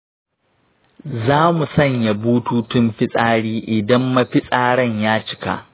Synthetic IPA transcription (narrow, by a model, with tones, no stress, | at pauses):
zaː˦mu˨sɐ˦˨ɲja˨buː˦tuː˦tʊ˦mɸɪ˦sʼaː˦ɽiː˦ʔɪ˨dɐ˦mːa˦ɸɪ˦sʼaː˦ɽɐ˦˨ɲjaː˦t͡ʃɪ̥˦ka̰˨ʔ